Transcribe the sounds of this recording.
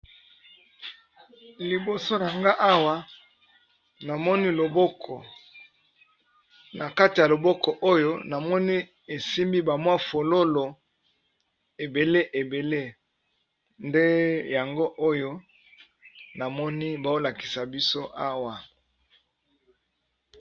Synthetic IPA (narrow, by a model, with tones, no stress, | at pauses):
li˨bo˨so˦n˨a˨ŋɡa˦ʔa˦wa˦ | na˨mɔ˦ni˦lo˨bɔ˦kʰɔ˨ | na˨ka˦ti˨ja˨lo˨bɔ˦kɔ˨ʔo˦jo˦na˨mɔ˦ni˦ | e˨si˦mbi˦ba˨mwa˦fo˨lo˦lo˨ | e˨be˨le˦ʔe˨be˨le˦ | nde˦ja˨ŋɡo˦ʔo˦jo˦ | na˨mɔ˦ni˦ba˨o˦la˨ki˨sa˨bi˦so˦ʔa˦wa˨